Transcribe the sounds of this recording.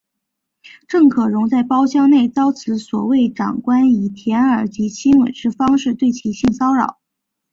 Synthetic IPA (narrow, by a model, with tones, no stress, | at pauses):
ʈ͡ʂɤ˥˩ŋkʰɤ˨˩ɻʊ˧˥ŋt͡sa˥˩ɪpɑ˥ʊɕjɑ˥ŋne˥˩ɪt͡sɑ˥ʊt͡sʰɹ̩˧˥swɔ̰˨˩we˥˩ɪʈ͡ʂɑ̰˨˩ŋkwa˥ni˨˩t̪ʰjɛ˧˥nə˞˧˥t͡ɕi˧˥t͡ɕʰi˥nwə̰˨˩nʈ͡ʂɻ̩˥˩fɑ˥ŋʂɻ̩˥˧t̪we˥˩ɪt͡ɕʰi˧˥ɕi˥˩ŋsɑ˥ʊɻɑ̰˨˩˦ʊ